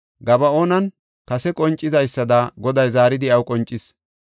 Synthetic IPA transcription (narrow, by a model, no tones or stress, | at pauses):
ɡɐbɐo̞ːnɐn | kɐsɛkʼɔnt͡ʃʼːɪzɐjsːɐd̪ɐɡɔd̪ɐjzaːɾɪd̪ɪɐwkʼɔnt͡ʃʼːɪs